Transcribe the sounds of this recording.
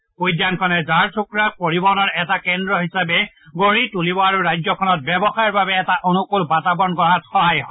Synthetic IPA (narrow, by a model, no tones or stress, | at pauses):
pojdjankʰɔnɛzaɹsʰukɹapoɹibɔnɔɹɛtakɛndɹɔɦisabɛ | ɡoɹitulibɔaɹuɹajzɔkʰɔnɔt̚bɛbɔxajɔɹbabɛːtaʔonukolbatabɔnkɔɦatxɔɦajɦɔ